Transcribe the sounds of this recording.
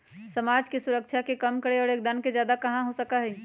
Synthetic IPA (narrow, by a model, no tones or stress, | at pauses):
səmaːd͡ʒkesuɾəkt͡ʃʰakekəmkəɾeɔːɾeːk̚d̪ənked͡ʒjaːd̪akɐɦãɦosəkaɦɛ